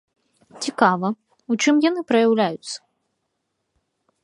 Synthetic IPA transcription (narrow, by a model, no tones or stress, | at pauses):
t͡sʲikavɐ | ut͡ʂɨmjanɨpɾɐjawlʲajut̪sːɐ̥